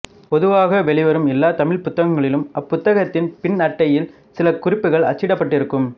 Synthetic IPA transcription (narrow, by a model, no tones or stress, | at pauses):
pɔðɯʋaːɣɐʋɛɭɪʋɐɾɯmɪlːaːt̪ɐmɪɭpʊt̪ːɐɣɐŋɡɐɭɪlɯmɐpːʊt̪ːɐɣɐt̪ːɪnpɪnnɐʈːɐjɪl | sɪlɐkʊrɪpːɯɣɐɭɐ̰t͡ʃːɪɽɐpːɐʈːɪɾɯkːɯm